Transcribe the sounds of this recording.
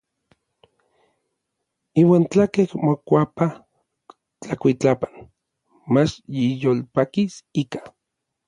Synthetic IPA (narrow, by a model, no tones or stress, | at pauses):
iːwaːnt͡ɬakehmokʷapa | t͡ɬakʷit͡ɬapan | mat͡ʃjijolpakisikḁ